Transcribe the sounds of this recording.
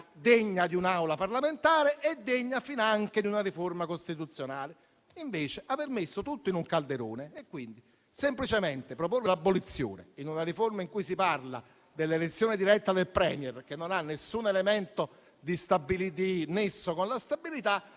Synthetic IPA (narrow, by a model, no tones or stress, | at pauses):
d̪eɲːad̪iunawlaparlament̪aːɾeʔed̪ːeɲːafinaŋk̟ed̪iunariformakost̪it̪ut̪sːjonaːle | iɱveːt͡ʃeʔavermesːot̪ut̪ːoinuŋkald̪eɾo̰ːneːkːwind̪i | semplit͡ʃement̪epɾoporːelabːolit̪sːjo̰ːnḛinunariformaiŋkujsiparla̰ | d̪elːelet̪sːjoːnɪd̪iɾɛt̪ːad̪elpɾɛ̰ːmjɛrk̟enːonanːesːunelemɛnt̪o | d̪ist̪abːilid̪inesːokonlast̪abilit̪a